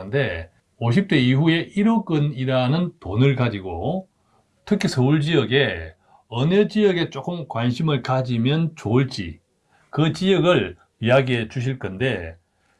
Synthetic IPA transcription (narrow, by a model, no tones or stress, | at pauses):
ɯnde̞ | oɕ̬ʰip̚t͈e̞iɦue̞ʔiɾok͈ɯniɾanɯntonɯɭkad͡ʑiɡo | tʰɯkʰisʰʌuɭd͡ʑijʌɡe̞ | ʌned͡ʑijʌɡe̞t͡ɕ͈ok͈ɯmkwanɕʰimɯɭkad͡ʑimjʌnt͡ɕouɭt͡ɕ͈ḭ | kɯt͡ɕijʌɡɯɭ | iaɡiɦe̞t͡ɕuɕ̬ʰiɭk͈ʌnde̞